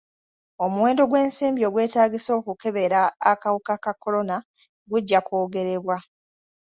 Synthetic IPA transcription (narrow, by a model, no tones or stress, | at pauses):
o̞muwe̞ːndo̞ɡwe̞ːnsiːmbjo̞ɡwe̞ːtaːɡiso̞ːkuke̞βe̞ɾaːkawukakakːo̞lo̞na | ɡuɟːakoːɡe̞ɾe̞βwa